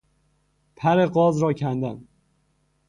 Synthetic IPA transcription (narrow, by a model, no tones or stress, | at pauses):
pʰæɾɪɢɒzɾɒkʲʰænd̪æn